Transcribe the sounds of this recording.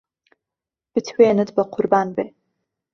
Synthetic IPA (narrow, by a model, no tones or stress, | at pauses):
b̥ɨtʰweːnɨdbɐqʰʊrbaːnbe